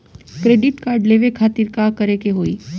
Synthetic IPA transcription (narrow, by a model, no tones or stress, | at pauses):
kɾeːɖɪʈkaːɾɖleːʋekʰaːt̪ɪɾkakɐɾekeɦoːiː